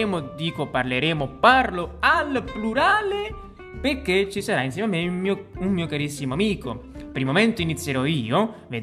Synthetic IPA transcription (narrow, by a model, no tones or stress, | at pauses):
mʊd̪iːkoparleɾeːmʊparloalpluɾaːle | perkːet͡ʃːisaɾains̬ɛːmamːeumiummiːokaɾisːimoamiːkopɾimomɛnt̪oinit̪sːjeɾɔiːovḛd̪